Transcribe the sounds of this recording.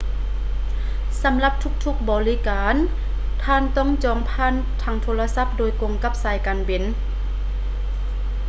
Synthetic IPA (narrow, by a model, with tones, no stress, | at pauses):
sa˨˦mla˧˦p̚t̪ʰu˧˥k̚t̪ʰu˧˥k̚bɔː˨˩li˧˥˨kaː˨˧n | t̪ʰaː˧˥˨nt̪ɔː˧˥˩ŋt͡ɕɔː˨˧ŋpʰaː˧˥˨n | t̪ʰaː˧ŋt̪ʰoː˧la˧sa˧˥p̚doː˨jko˨˧˨ŋka˧˥p̚saː˨˧˦jkaː˨nbe˨˩˨n